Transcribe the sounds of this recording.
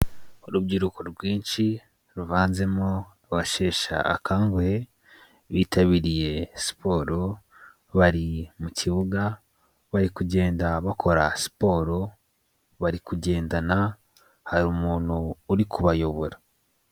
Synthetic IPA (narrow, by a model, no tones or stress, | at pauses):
uɾub̚ɟiɾukoɾɡwiːnʃi | ɾuvaːnze̞mo | βaʃe̞ːʃa̰a̰kʰaːŋɡohe | βiːtʰaβiɾije̞si̥po̞ːɾo̞ | βaɾimucʰiβuɡa | βaɾikuɟe̞ːndaβakʰo̞ɾa̰si̥po̞ːɾo̞ | βaɾikuɟe̞ːndana | haɾuːmuːn̥huːɾikuβajo̞βo̞ɾa